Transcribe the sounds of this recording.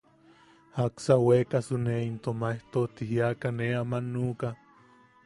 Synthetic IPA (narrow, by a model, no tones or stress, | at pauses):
haksawekasuneint̪omaeht̪ot̪iɦiakaneamanːuka